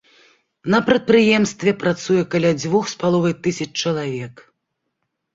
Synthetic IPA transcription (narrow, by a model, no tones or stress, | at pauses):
nɐpɾɐt̪̚pɾɨjɛmst̪vʲɛpɾat̪sujɛkalʲad͡zʲvuxspalˠɔvɨjt̪ɨsʲɐt͡ʃt͡ʂɐlˠavʲɛk